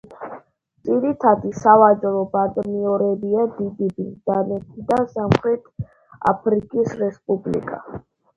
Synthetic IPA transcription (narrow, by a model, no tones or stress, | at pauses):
t̪sʼiɾit̪ʰad̪isavad͡ʒɾɔbad̪miɔɾɛbiad̪id̪ibid̪anɛt̪ʰid̪asamχɾɛt̪ʰ | a̰pʰɾikʼisɾɛspʼublḭkʼa̰